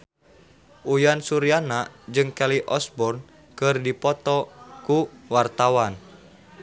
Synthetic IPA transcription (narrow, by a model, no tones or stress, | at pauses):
ʔujansuɾianad͡ʒɨŋkaliʔɔsbɔrn | kɨrdipɔt̪ɔkuwart̪awan